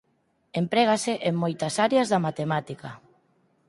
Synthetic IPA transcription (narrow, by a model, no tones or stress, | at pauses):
empɾeɣaseʔeŋmojt̪ɐsaɾjazðamat̪emat̪ika